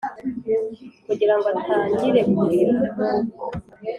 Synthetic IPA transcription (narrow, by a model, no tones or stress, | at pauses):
kuɟiɾaŋɡoatʰaːɲɟiɾe̞kuɾiɾi